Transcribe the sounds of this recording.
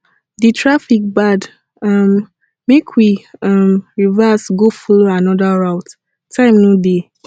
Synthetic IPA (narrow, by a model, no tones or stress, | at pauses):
ditʰɹafik̚bad | ɔm | mekʰwiɔmɹivasɡofɔloanɔdaɹaʊt | tʰãɪ̃mnode